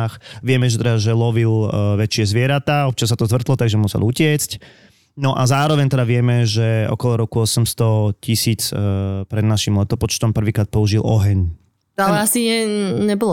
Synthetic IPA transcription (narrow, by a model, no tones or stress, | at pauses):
xʋɪɛmɛʒɛt̪ɛd̪aʒɛlɔʋilʋɛt͡ʃɪɛzʋɪɛɾat̪aːɔp̚t͡ʃasat̪ɔzʋr̩t̪lɔt̪aɡʒɛmusɛ̰lucɪɛt͡sc | nɔʔazaːɾɔʋɛɲt̪ɛd̪aʋɪɛmɛʒɛɔ̰kɔlɔɾɔkuɔsɛmst̪ɔcisiːt͡spɾɛd̪naʃimlɛt̪ɔpɔt͡ʃt̪ɔmpr̩ʋiːkɾaːt̪̚pɔuʒilɔɦɛɲ | alɛasiɛɲɛbɔlɔ